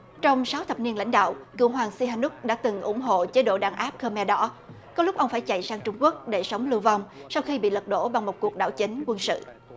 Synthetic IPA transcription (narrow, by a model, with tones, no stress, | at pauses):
t͡ɕɔ˧wŋ͡msa˨˦wt̪ʰə˨˩p̚ni˧ənla̰˧˥jŋ̟ɗa̰ː˧˨wkɨ̰˧˩əwɦwaː˨˩ŋsi˧ɦaː˧nu˦˥k̚ɗa̰ː˧˥t̪ɨ˨˩ŋʔʊ̰˧˩ŋ͡mɦo̰˧˨t͡ɕe˨˦ɗo̰˧˨ɗaː˧˩ŋʔaː˦˥p̚kəː˧mɛ˧ɗɔ˨˦ | kɔ˨˦lʊ˦˥k͡p̚ʔə˧wŋ͡mfaː˧˩jt͡ɕa̰˧˨jsaː˧ŋt͡ɕʊ˧ŋ͡mku˦˥ək̚ɗe˧˩sə˨˦wŋ͡mlɨ˧vɔ˧wŋ͡msa˧wxi˧ɓḭ˧˨lə˨˩t̚ɗo̰˧˥ɓa˨˩ŋmo˨˩t̚ku˨˩ək̚ɗa̰ː˧˩wt͡ɕï˨˦ŋ̟kwə˧nsɨ̰˧˨